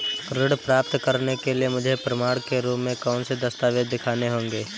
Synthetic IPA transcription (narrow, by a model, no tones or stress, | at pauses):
ɾɪɽpɾaːpt̪kɐɾnekeliemʊd͡ʒʱepɾɐmaːɽkeɾuːmːẽkɔːnsed̪ɐst̪aːʋed̪d̪ɪkʰaːneɦõːŋɡeː